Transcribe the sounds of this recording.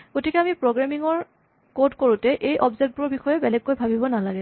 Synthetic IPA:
ɡ̥otikɛamipɹoɡɹamiŋɔɹ | kodkoɹutɛʔejʔɔbzek̚t̚bʊɹbixɔjɛbɛlɛɡkojbʱabibɔnalaɡɛ

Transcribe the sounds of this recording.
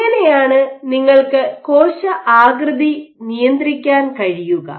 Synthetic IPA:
ɐnejaːɳɨniŋːɐɭkɨkoːɕɐʔaːɡɾɨd̪i | nijɐnd̪rikʲːaːnkɐɻijuɣɐ̰

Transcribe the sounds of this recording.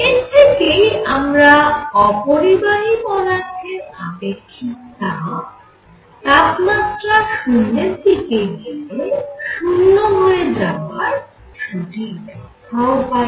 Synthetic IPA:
et̪ikejamɾaɔpoɾibaɦibɔnakeabekʰːit̪a | t̪apmat̪ɾaʃunːet̪ikeɡileʃunːomuedaaɾ | ʃudidɔkaopa

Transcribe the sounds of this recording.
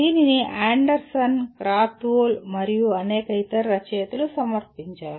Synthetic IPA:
ininiʔaːɳɖɐɾsɐnkɾaːt̪oːlmɐɾijuɐneːkɐjt̪ɐɾːɐt͡ʃɐjɐt̪ːilusɐmɐrpiɲt͡ɕaː

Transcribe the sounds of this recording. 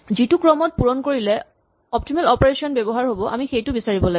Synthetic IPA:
zitukɹɔmɔt̚puɹɔnkoɹilɛ | ɔp̚timɛlɔpɔɹesiɔnbɛbɔɦaɹɦobɔʔa̰mixejtʊbisaɹibɔla

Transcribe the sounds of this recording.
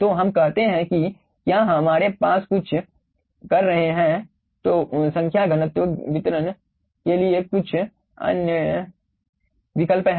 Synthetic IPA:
t̪oɦɐmkɛɦt̪eɦɛ̃ki | kjaːɦɐmaːɾepaːskʊt͡ʃʰ | kɐɾːɐɦeɦɛ̃ | t̪oːsɐ̃ŋkʰjaɡʱɐnət̪ʋəʋɪt̪ɾən | keliekʊt͡ʃʰ | ɐ̰njə | ʋɪkəlpɦ

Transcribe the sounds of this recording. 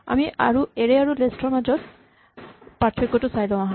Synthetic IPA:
a̰miʔa̰ɹueɹeaɹulesʈɔɹmad͡ʒɔt̪ | patʰɹekːɔʈusajlɔ̃aɦa

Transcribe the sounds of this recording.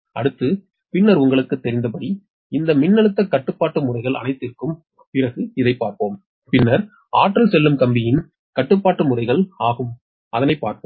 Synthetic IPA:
ʔɐɽɯt̪ːɯ | pɪnːɐɾʊŋɡɐɭɯkːɯt̪ːɛɾɪnd̪ɐpɐɽi | ɪnd̪ɐmɪnːɐɭɯt̪ːɐkːɐʈːɯpːaːʈːɯmʊrɐɪɣɐɭɐ̰nɐɪt̪ːɪrkɯm | pɪrɐɣɯɪðɐɪpːaːɾpoːm | pɪnːɐɾ | aːʈrɐlsɛlːɯmkɐmbɪjɪn | kɐʈːɯpːaːʈːɯmʊrɐɪɣɐɭaːɣɯm | ʔɐðɐnɐɪpːaːɾpo

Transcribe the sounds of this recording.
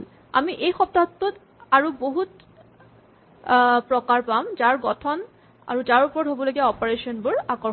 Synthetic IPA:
a̰miʔejxɔp̚daɔtːɔt | aɹuboɦut | pɹɔkaɹpamzaɹɡɔtʰɔn | a̰ɹuzaɹupɔɹɔtɦobɔlojɡiaɔpɔɹesɔnbʊɹakɔ

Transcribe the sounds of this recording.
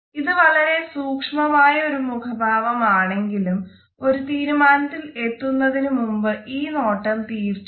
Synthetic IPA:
iðɨʋɐɭɐɾe̞suːkʂmɐmaːjɐo̞ɾumukʰɐbʱaːʋɐmaːɳe̞ŋɡilum | o̞ɾut̪iːɾumaːnɐt̪ːile̞t̪ːunːɐðinumumbɨʔiːno̞ːʈːɐmt̪iːrt͡ɕː

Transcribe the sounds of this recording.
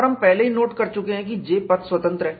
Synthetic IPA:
ɔɾɦɐmpɛɦleɦinoːʈkɐɾt͡ʃʊkẽɦɛ̃k̬id͡ʒeːpɐt̪swɐt̪ə̃nt̪ɾəɦɛː

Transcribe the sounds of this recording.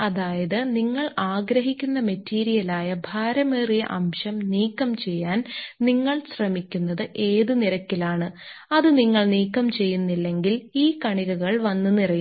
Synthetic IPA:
ɐðaːjɐðɨniŋːɐɭaːɡɾɐɦikʲːunːɐmetːiːɾijɐlaːjɐbʱaːɾɐmeːrijɐ̰ʔɐmʂɐmniːkːɐmt͡ɕe̞jːaːnniŋːɐɭɕrɐmikʲːunːɐðɨʔe̞ːðɨniɾɐkːilaːɳɨ | ɐðɨniŋːɐɭniːkːɐmt͡ɕe̞jːunːilːe̞ŋɡiliːkɐɳiɣɐɣɐɭʋɐnːɨnirɐj

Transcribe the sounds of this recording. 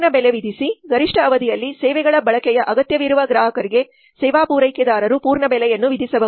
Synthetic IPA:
ɳɐbɛleʋid̪ʱisiɡɐɾiʂʈʰɐːʋɐd̪ijɐlːisɛːʋɛɡɐɭɐbɐɭɐkɛjɐʔɐɡɐt̪jɐʋiɾuʋɐɡɾaːɦɐkɐɾiɡe̞ | sɛːʋaːpuːɾɐjkɛd̪aːɾɐɾupuːɾɳɐbɛlɛjɐnːuʋid̪ʱisɐbɐ

